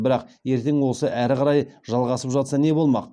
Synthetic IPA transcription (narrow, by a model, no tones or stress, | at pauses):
bɪɾɑqje̞ɾt̪e̞ŋwo̞səʔæɾɪqʰɑɾɑjʒɑlˠʁɑsəpʒɑt̪sɑne̞bo̞lˠmɑq